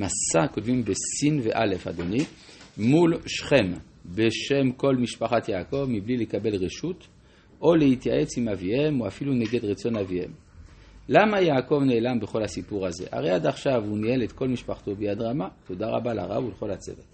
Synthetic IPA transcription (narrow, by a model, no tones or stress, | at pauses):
masakotvimbesinvḛʔale̞fa̰d̪oni | mulʃχem | beʃemko̞lmiʃpaχat̪jaːko̞vmiblilekabe̞lʁeʃut̪ | ʔo̞lehit̪jaʔet͡simavihemoafiluneɡed̪ʁet͡so̞navihḛm | lamajaːko̞vne̞ːlambeχo̞lhasipuʁazḛʔa̰ʁejad̪aχʃavunielet̪ko̞lmiʃpaχt̪obejad̪ʁamat̪o̞daʁa̰balʔa̰ʁa̰vuleχolat͡sḛvet